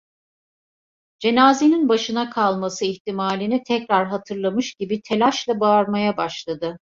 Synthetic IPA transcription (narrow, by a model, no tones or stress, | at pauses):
d͡ʒe̞naːzeninbaʃɯnakʰalˠmasɯiçt̪imaːlʲinit̪ʰɛcɾaɾɦat̪ʰɯɾlˠamɯʃɟibit̪ʰelʲaʃlˠabaːɾmajabaʃlˠad̪ɯ